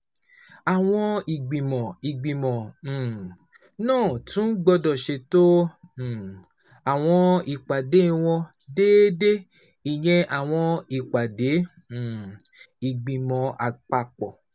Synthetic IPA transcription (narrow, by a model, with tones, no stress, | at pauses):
a˨w̃ɔ̃˧i˨ɡ͡bi˨mɔ̃˨i˨ɡ͡bĩ˨mɔ̃˨ | nãː˦˨tũ˨˦n̩˦ɡ͡bɔ˧dɔ˨ʃe˧tõ˦˨ | a˨w̃ɔ̃˧i˨k͡pa˨de˨˦˧w̃ɔ̃˧ | deː˦de˦ | i˨j̃ɛ̃˧ʔa˨w̃ɔ̃˧i˨k͡pa˨de˨˦˨ | i˨ɡ͡bĩ˨mɔ̃˨a˨k͡pa˧˨k͡pɔ˨